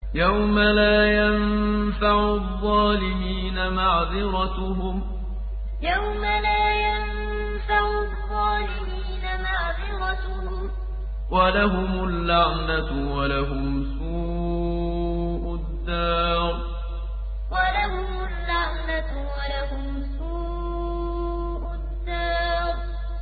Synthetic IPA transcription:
jawmalaːjanfaʕʊðˤːɑːlɪmiːnamaʕðɪɾɑt̪ʊɦʊm | jawmalaːjan | faʕʊðˤːɑːlɪmiːnamaʕðɪɾˤɑt̪ʊhʊm | walaɦʊmʊlːaʕnatʊwalaɦʊmsuː | ʔʊd̪ːaːɾ | walaɦʊmʊlːaʕnat | walaɦʊmsuː | ʔʊd̪ːaːɾ

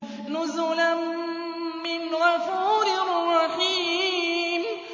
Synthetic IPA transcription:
nʊzʊlamː | ɪnɣafuːɾɪrrːɑħiː | m

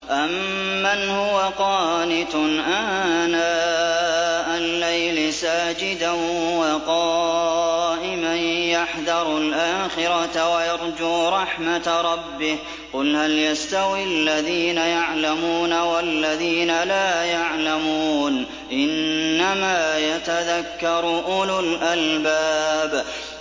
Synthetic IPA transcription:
ʔamː | anhʊwaqɑːnɪt̪ʔaːnaː | ʔalːajlɪsaːd͡ʒɪd̪awɑqɑ | ʔɪmanjaħðɑɾˤlʔaːxɪɾˤɑt̪wajɑɾˤd͡ʒuːɾˤɑħmat̪ɾˤɑbːɪh | qʊlhaljast̪awilːaðiːnajaʕlamuːnawalːaðiːnalaːjaʕlamuːn | ʔɪnːamaːjat̪aðakːɑɾˤʊʔʊlʊlʔalbaːb

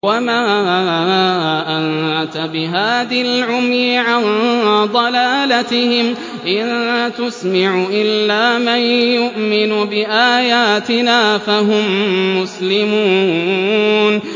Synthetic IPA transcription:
wamaː | ʔant̪abɪɦaːðlʕʊmjɪʕand̪ˤɑlaːlat̪ɪhɪm | ʔɪnt̪ʊsmaʕʊʔɪlːaːmanjʊʔmɪnʊbɪʔaːjaːt̪ɪnaːfaɦʊmːʊslɪmuː | n

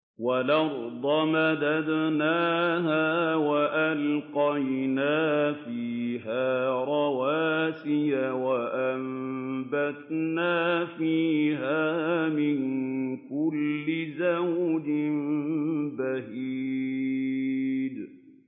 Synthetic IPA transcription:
walɑɾˤd̪ˤɑmad̪ad̪naːɦawaʔalqɑjnaːfiːɦaːɾˤɑwaːsɪjawaʔambat̪naːfiːɦaːmɪŋkʊlːɪzawd̪ɪmbahiː | d̪

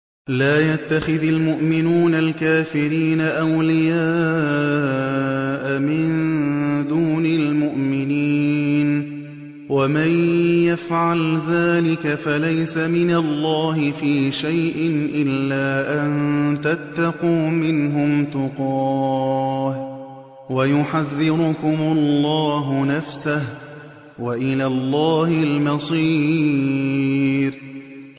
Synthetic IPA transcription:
laːjat̪ːaxɪðalmʊʔmɪnuːnalkaːfɪɾiːnaʔawlɪjaː | ʔamɪnd̪uːnɪlmʊʔmɪniːn | wamanjafʕalðaːlɪkafalajsamɪnalːaːhɪfiːʃajʔɪnʔɪlːaːʔannt̪at̪ːɑquːmɪnɦʊmt̪ʊqɑː | h | wajʊħaðːɪɾʊkʊmʊlːɑːɦʊnafsah | waʔɪlaːlːaːhɪlmɑsˤiː | ɾ

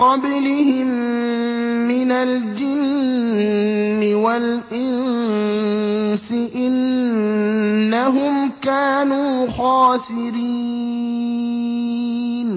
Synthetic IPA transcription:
qɑblɪhɪmː | ɪnald͡ʒɪnn | ɪwalʔɪn | sɪʔɪn | aɦʊmkaːnuːxaːsɪɾi | n

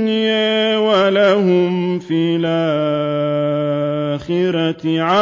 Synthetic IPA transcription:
nɪjaːwalaɦʊmfiːlʔa | xɪɾaʕa

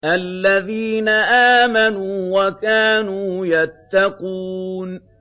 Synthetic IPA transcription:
ʔalːaðiːnaʔaːmanuːwakaːnuːjat̪ːɑquːn

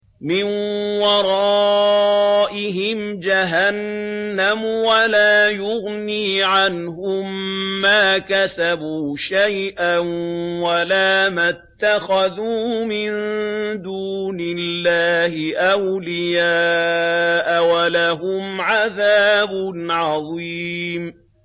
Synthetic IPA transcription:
mɪnwɑɾˤɑː | ʔɪɦɪm | d͡ʒaɦanːamwalaːjʊɣniːʕanɦʊmːaːkasabuːʃajʔanwalaːmat̪ːaxaðuːmɪnd̪uːnɪlːaːhɪʔawlɪjaː | ʔawalaɦʊmʕaðaːbʊnʕɑðˤiːm

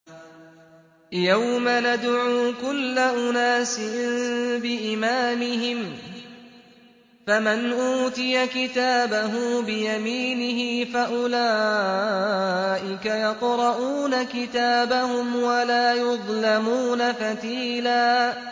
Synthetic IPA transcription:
jawmanad̪ʕuːkʊlːaʔʊnaːsɪ | bɪʔɪmaːmɪɦɪm | famanʔuːt̪ɪjakɪt̪aːbaɦʊbɪjamiːnɪɦɪfaʔʊlaː | ʔɪkajɑqɾˤɑʔuːnakɪt̪aːbahʊmwalaːjʊðˤlamuːnafat̪iːlaː

